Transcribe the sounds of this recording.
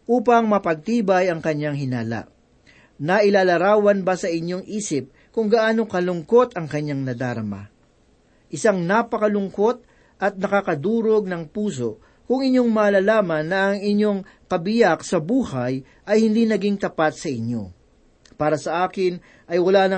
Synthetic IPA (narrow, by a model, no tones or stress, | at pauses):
ʔuːpɐŋmɐpɐɡ̚t̪iːbɐjɐŋkɐɲːaŋɦɪnaːla̰ʔ | nɐʔɪlaːlɐɾaːwɐnbɐsɐʔɪɲjo̞ŋʔiːsɪp̚ | kʊŋɡɐʔaːno̞kɐlʊŋko̞t̪ɐŋkɐɲːaŋnɐd̪aːɾɐma̰ | ʔɪsaŋnapɐkɐlʊŋko̞t̪̚ | ʔɐt̪̚nɐkakɐd̪uːɾo̞ɡ̚nɐŋpuːs̬o̞ | kʊŋɪɲːo̞ŋmɐːlaːlaːmɐnːɐʔːŋɪɲːo̞ŋ | kɐbɪjaksɐbuːhaj | ʔɐjhɪnd̪inɐɡiŋt̪ɐpat̪̚sɐɪɲːo̞̰ | paːɾɐsɐʔaːkɪn | ʔɐjwɐlaːnɐ